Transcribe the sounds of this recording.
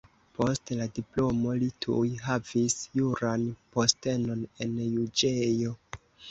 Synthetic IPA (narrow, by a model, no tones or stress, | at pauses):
po̞stladiplo̞mo̞litʰṵjɦavisjuɾanpo̞ste̞no̞ne̞njud͡ʒejo̞